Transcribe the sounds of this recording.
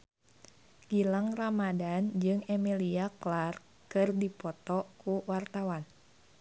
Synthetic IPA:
ɡ̥ilaŋramadand͡ʒɨŋɛmiliaklar | kɨrdipɔt̪ɔkuwart̪awan

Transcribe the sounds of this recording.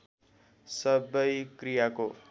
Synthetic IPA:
sʌbʌjkɾijako

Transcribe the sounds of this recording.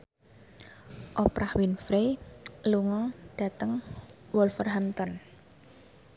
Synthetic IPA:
ʔɔpɾahwinfɾeluŋɔɖ̥ä̤t̪əŋwɔlfərɦamt̪ɔn

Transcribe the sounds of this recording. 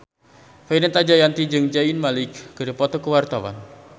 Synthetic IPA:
fainɛt̪ad͡ʒajant̪id͡ʒɨŋd͡ʒainmalɪkːədapɔt̪ɔkəwart̪awa̰n

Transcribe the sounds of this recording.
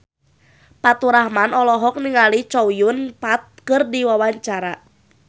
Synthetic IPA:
pat̪uɾahmanɔlɔɦɔk̚niŋalit͡ʃɔujʊnpat̪̚kɨrdiwawaɲt͡ʃaɾa

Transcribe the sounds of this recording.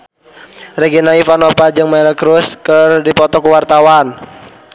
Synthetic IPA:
rɛɡinaifanɔpad͡ʒɨŋmalkɾuskərdipɔt̪ɔkuwart̪awan

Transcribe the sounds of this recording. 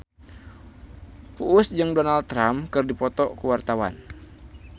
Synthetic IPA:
puʔːsd͡ʒɨŋdonalt̪ːɾamkɨrdipɔt̪ɔkuwart̪awa̰n

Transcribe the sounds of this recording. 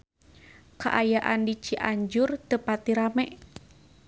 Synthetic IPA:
kaʔajaʔandit͡ʃiʔaɲd͡ʒʊrt̪əpat̪iɾamɛʔ

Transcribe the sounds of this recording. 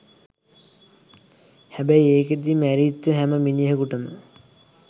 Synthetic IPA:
hæbæjeːked̪imæɾiːt̪ːəɦæməminijeɦəkuʈəmə

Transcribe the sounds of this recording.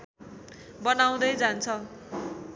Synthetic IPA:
bʌnaw̃d̪ʌjd͡zant͡sʰʌ

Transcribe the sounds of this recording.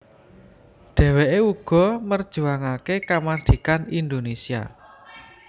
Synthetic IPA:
ɖ̪̥ɛ̤weʔeuɡ̥ɔ̤mərd̥ʒ̥ṳaŋakekamard̪̥i̤kanind̪onesia̰

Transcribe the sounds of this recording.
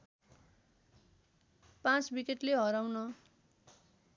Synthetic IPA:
pãt͡sbikeʈleɦʌɾawnʌ

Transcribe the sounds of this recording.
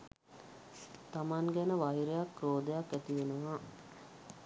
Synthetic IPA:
t̪amaŋɡɛnəʋajiɾejakɾoːd̪əjakːæt̪iʋenəʋaː

